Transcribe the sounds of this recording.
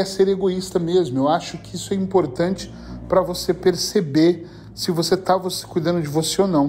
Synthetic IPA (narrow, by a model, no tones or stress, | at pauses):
ɛseɾeɡoist̪ɐmezmʊewaʃʊkɪisʊɛĩpoɾt̪ɐ̃nt͡ʃɪ̥ | pɾɐvosepeɾsebeɾ | sɪvoset̪avose̥kujd̪ɐ̃nd̪ʊd͡ʒɪvoseonɐ̃w̃